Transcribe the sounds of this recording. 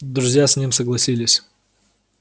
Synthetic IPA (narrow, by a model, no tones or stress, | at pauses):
d̪ɾʊzʲjasʲnʲimsəɡlˠɐsʲilʲɪsʲ